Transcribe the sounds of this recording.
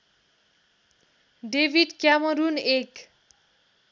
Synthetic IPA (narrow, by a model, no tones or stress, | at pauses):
ɖebʱiɖkjamʌɾunek